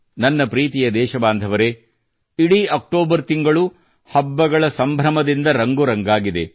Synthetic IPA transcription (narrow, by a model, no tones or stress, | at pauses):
nɐnːɐpɾiːt̪ijɐd̪ɛːʃɐbaːnd̪ʱɐʋɐɾe̞ | iɽiɐk̚ʈoːbɐɾt̪iŋɡɐɭu | hɐbːɐɡɐɭɐsɐmbʱɾɐmɐd̪ind̪ɐɾɐŋɡuɾɐŋɡaːɡid̪e̞̰